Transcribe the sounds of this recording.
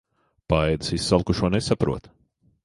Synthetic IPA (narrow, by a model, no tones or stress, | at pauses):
paɛjd̪ɨ̥sisːalˠkuʃuɔnesapɾuɔt̪